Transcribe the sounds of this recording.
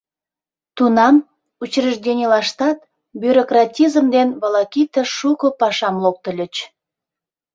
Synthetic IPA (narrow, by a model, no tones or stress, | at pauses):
t̪unɑm | ut͡ɕrəʒdʲenʲilɑʃt̪ɑt̪ | byɾokrɑtʲizəmd̪enβəlɑkʲit̪əʃukopɑʃɑmlok̚t̪ə̆lʲə̆t͡ɕ